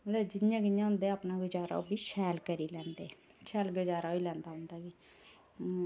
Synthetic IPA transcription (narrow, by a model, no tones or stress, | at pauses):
lɛd͡ʒɪnjãːɡɪjãːɦʊ̃nd̪eːapnaɡəd͡ʒaːɾa̰obʱiʃʰɛːlkəɾiːlɛ̃ːnd̪eː | t͡ʃʰɛːlɡəd͡ʒaːɾailɛ̃ːnd̪aːʊ̃nd̪aɡi